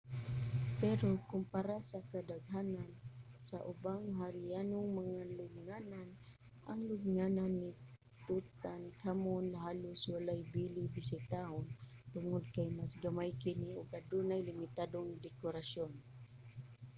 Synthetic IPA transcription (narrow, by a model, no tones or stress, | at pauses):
pɛɾokʊmpaɾasakad̪aɡɦaːnansaʔʊbaŋɦaɾɪjanʊŋmaŋalʊɡ̚ŋanan | ʔa̰ŋlʊɡŋananːɪ | t̪ut̪ankʰamonɦaːlʊswalajbiːlɪbɪsɪt̪ahont̪ʊŋod̪̚kajmasɡamajkɪnɪʊɡad̪uːnajlɪmɪt̪aːd̪oŋd̪ɛkʊɾasjon